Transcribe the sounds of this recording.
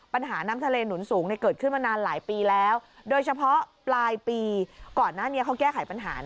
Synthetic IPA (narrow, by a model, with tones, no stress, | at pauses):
pa˧nɦaː˩˦na˦˥mt̪ʰa˧leː˧nu˩˦nsuː˩˦ŋna˥˩jkɤː˨˩kʰɯ˥˩nmaː˧naː˧nlaː˩˦jpiː˧lɛː˦˥wdoː˧jt͡ɕʰa˧pʰɔ˦˥plaː˧jpiː˧kɔː˨˩nːaː˥˩ni˦˥ɐkʰa˦˥wkɛː˥˩kʰa˨˩˦jpa˧nɦa̰ː˩˦